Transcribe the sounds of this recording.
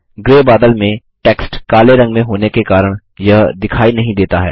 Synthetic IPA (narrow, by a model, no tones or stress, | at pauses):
ɡɾeːbaːd̪əlmẽ | ʈɛːksʈkaːleɾɐ̃ŋɡmẽɦoːnekekaːɾəɽ̃ | jɐɦd̪ɪkʰaːinɐɦĩd̪eːt̪aɦɛ̰ː